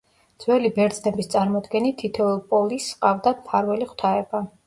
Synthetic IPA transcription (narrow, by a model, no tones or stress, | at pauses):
d̪z̥wɛlibɛɾd̪znɛbist̪sʼaɾmɔd̪ɡɛnit̪ʰːit̪ʰɛlˠpʼɔlisqʼavd̪apʰaɾwɛliχwt̪ʰaɛba